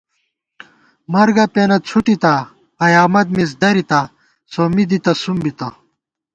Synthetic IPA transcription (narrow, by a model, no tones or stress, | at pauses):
mɐɾɡɐpeːnɐt͡sʰuʈit̪ɐ | ɐjaːmɐd̪̚mis̬d̪ɐɾit̪ɐ | soːmid̪it̪ɐsumbit̪ɐ